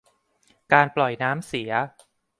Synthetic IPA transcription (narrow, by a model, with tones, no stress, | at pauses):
kaː˧nplɔ˨˩jnaː˦˥msi˩˦ɐ